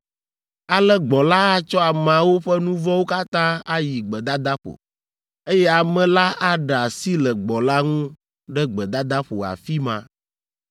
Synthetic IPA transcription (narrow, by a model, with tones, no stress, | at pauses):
a˨lɛ˦ɡ͡bɔ˨la˦a˦t͡ʃɔ˦a˨m˨ã˨wo˦ɸɛ˦nũ˦vɔ˦wo˦ka˦t̪ã˦a˦ji˨ɡ͡bɛ˨d̪a˦d̪a˦ɸo̰˨ | e˦jɛ˦a˨mɛ̃˨la˦a˦ɖɛ˨a˨si˦lɛ˨ɡ͡bɔ˨la˦ŋũ˦ | ɖɛ˦ɡ͡bɛ˨d̪a˦d̪a˦ɸo̰˨a̰˨fi˦mã˨